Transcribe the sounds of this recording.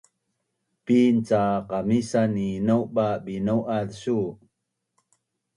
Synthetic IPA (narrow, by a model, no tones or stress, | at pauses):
pint͡saqamisaninowbabinowʔalsu